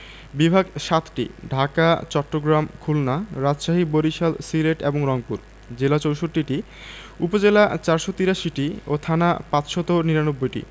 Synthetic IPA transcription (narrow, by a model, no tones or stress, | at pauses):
bibʱaɡʃat̪ʈḭɖʱakat͡ɕɔʈːoɡɾamkʰulnaɾad͡ʑʃaɦiboɾiʃalsileʈeboŋɾɔŋpuɾ | d͡ʑelat͡ɕowʃoɾːiʈi | upod͡ʑelat͡ɕaɾʃot̪iɾaʃiʈiot̪ʰanapãt͡ɕʃɔt̪oniɾanobːojʈḭ